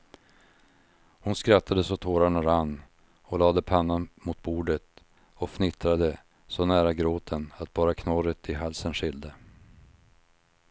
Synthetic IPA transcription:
hʊnskɾat̪ːad̪əsɔt̪ʰoːɾaɳaɾanː | ɔlɑːd̪əpʰanːanmʊt̪̚buːɖət̪ | ɔfnɪt̪ɾad̪ə | sɔnæːɾaɡɾoːt̪ʰənat̪̚bɑːɾakʰnɔɾət̪ʰɪɦalsənɧɪld̪ə

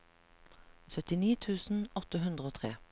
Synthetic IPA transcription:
sœt̪ɪniːt̪ʰʉːsn̩ɔt̪əɦʉnd̪ʁəoːt̪ʰʁḛː

